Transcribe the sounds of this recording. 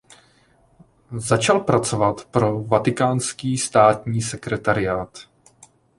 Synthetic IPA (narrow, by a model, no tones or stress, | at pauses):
zat͡ʃalpɾat͡sovat̪pɾo̞vat̪ɪkaːnskiːst̪aːt̪ɲiːsɛkɾɛt̪aɾɪjaːt̪